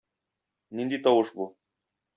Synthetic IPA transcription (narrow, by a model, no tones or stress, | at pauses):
nind̪it̪ɒwɤʃbu